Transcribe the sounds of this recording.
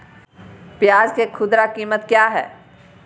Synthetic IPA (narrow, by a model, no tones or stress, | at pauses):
pjaːd͡ʒkekʰʊd̪ɾakiːmət̪kjaːɦɛ̰ː